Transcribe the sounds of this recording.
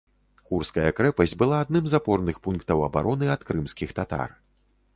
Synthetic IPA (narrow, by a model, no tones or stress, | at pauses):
kurskɐjɐkɾɛpɐsʲdʲbɨlˠaːd̪̚nɨmzapɔrnɨxpunkt̪ɐwɐba̰ɾʔɔnɨɐt̪kɾɨmskʲixt̪at̪a̰r